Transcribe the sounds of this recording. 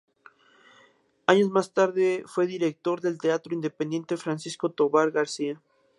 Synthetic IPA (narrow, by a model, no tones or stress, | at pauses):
aɲo̞zmast̪aɾðefwe̞ðiɾek̚t̪o̞ɾðe̞lt̪eat̪ɾoind̪epend̪jent̪e̞fɾansisko̞t̪oβaɾɣaɾsia